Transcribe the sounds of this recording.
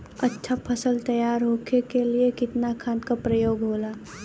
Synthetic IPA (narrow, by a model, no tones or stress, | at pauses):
ɐtːʃʰapʰəsəlt̪ɐjaːɾɦoːkʰekeliekɪt̪nakʰaːnkapɾəjoːɡɦoːlaː